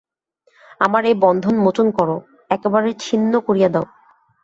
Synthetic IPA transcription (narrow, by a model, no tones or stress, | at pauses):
amaɾebɔnd̪ʱonmot͡ɕonkɔɾo | ɛkebaɾet͡ɕʰinːokoɾijad̪ɛo